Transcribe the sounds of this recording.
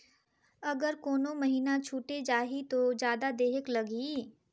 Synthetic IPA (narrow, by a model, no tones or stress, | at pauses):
ɐɡəɾkoːnomɐɦiːnat͡ʃʰuːʈed͡ʒaːɦit̪od͡ʒjaːd̪ad̪eːɦəklɐɡi